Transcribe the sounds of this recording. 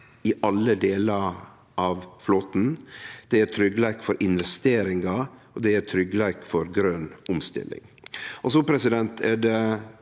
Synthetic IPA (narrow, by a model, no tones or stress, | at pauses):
ɪʔɑlːəd̪eːlɑɾ | ʔɑʋfloːt̪n̩d̪̥ɛæɾt̪ʰɾʏɡːəlækfɔɾʔɪnʋɛst̪eːɾɪŋɑɔd̪ɛæt̪ʰɾʏɡəlæːkfɔɾɡɾøːnʔʊmst̪ɪ̰lːɪ̰ŋʔɔsɔpʰɾɛsɪd̪ɛnt̪ʰɛɖɛ